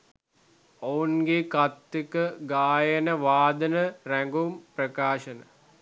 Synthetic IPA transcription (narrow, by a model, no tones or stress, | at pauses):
ounɡekat̪ːikəɡaːjənəʋaːd̪ənəræŋɡumprəkaːʃənə